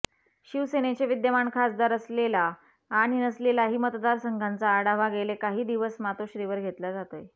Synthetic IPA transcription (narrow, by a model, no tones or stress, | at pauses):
ɕiʋsenet͡ɕeʋid̪jəmaɳkʰasd̪aɾəslela | aɽ̃inəslelaɦiːmət̪d̪aɾsəŋɡʱant͡saːɽaʋaɡelekaɦiːd̪iʋəsmat̪oɕɾiʋəɾɡʱet̪lad͡zat̪oj